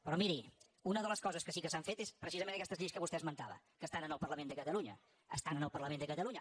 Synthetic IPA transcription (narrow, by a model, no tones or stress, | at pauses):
pɾɔmiɾi | unəðələskɔzəskəsikəsaɱfet̪espɾəsizəmẽnəkɛst̪əzʎejskəβust̪ɛəzmənt̪aβə̰ | kəst̪anənəlˠpəɾləmẽnd̪əkət̪əluɲə̰ | əst̪anənəlˠpərləmend̪əkət̪əlˠuɲə